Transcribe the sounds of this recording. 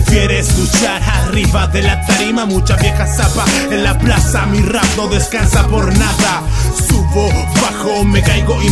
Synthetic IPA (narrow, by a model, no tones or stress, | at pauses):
fjeɾeskut͡ʃaɾariβaðe̞lat̪aɾimamut͡ʃaβjexasapaenlaplasamirap̚do̞ðe̞skansapo̞ɾnaðasuɣo̞βaxo̞me̞kajɣo̞i